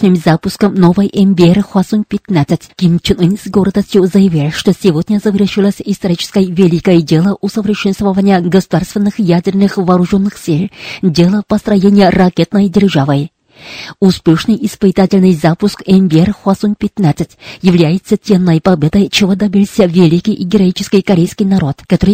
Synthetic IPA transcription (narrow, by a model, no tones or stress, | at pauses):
nɨmzapʊskəmnovɨjʔɛmbʲɪerxwasuŋk̚pʲɪt̪nat̪sətʲkʲimt͡ʃɪnɨnʲsɡo̞ɾəd̪əsʲtʲjʊzəjɪvʲilʲʂt̪o̞sʲɪvod̪ʲnʲəzəvʲɪrʂɨlˠəsʲist̪ɐɾʲit͡ɕɪ̥skəjvʲelʲikəjədʲe̞lˠəʔusəvʲɾʲɪʂɛnst̪vəvənʲɪjəɡəsʊd̪arst̪vʲɪnːɨxjadʲɪrnɨxvɐːɾʊʐo̞nːɨxsʲilʲdʲe̞lˠəpɐst̪ɾɐjenʲɪjərɐkʲe̞t̪nəjdʲɪrʐavɨj | uspʲe̞ʂnɨjɪspɨt̪atʲɪlʲnɨjzapʊskɛmbʲɪerxasuŋ̚pʲɪt̪nat̪sətʲjɪvlʲæjɪt̪sːətʲe̞nːəjpɐbʲe̞d̪əjt͡ɕɪvod̪ɐbʲilʲˠsʲəvʲɪlʲikʲijʔiɡʲɪɾɐit͡ɕɪ̥skʲijkɐɾʲejskʲijnɐɾo̞t̪kɐt̪oɾɨj